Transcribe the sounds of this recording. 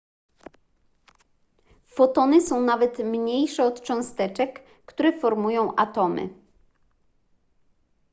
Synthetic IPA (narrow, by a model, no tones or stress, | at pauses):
fɔt̪ɔnɘsɔ̃w̃navɛt̪mɲejʂɛɔt̪t͡ʂɔ̃w̃st̪ɛt͡ʂɛkː | t̪uɾɛfɔɾmujɔ̃w̃ʔat̪ɔmɘ̰